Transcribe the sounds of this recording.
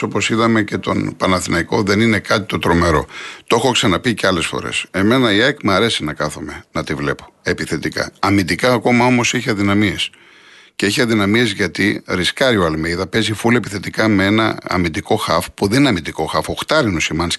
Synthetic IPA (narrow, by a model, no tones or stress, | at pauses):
o̞po̞siðɐme̞ce̞t̪o̞̰npɐnɐθinɐiko̞ðe̞nine̞kɐt̪i̥t̪o̞t̪ɾo̞me̞ɾo̞̰t̪oexo̞ksɐnɐpiceɐle̞sfo̞̰ɾḛse̞me̞nɐiekmɐɾe̞sinɐkɐθome̞nɐt̪ivle̞̰po̞̥e̞piθe̞t̪ikɐ̰ɐmid̪ikɐːko̞mɐo̞mo̞seçiɐðinɐmies | ceeçiɐðinɐmiezʝɐt̪iɾiskɐɾioɐlmejðɐpe̞zifulie̞piθe̞t̪ikɐmee̞nɐ̰ɐ̰mid̪iko̞xɐfpuðenineɐmint̪iko̞xɐfo̞xt̪ɐɾinosimɐns